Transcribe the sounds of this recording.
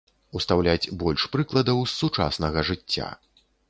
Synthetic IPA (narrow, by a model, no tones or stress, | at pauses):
ust̪awlʲat͡sʲbɔlʲʂpɾɨklˠɐd̪ɐwsut͡ʂa̰snɐɣɐʐɨt͡sʲːa̰